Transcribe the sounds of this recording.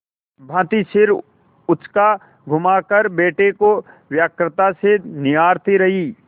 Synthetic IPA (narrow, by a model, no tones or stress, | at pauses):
bʱãːt̪isɪɾ | ʊt͡ʃka | ɡʱʊmakəɾbeːʈeko | wjaːkɾɪt̪asenɪjaːɾt̪iɾɐɦiː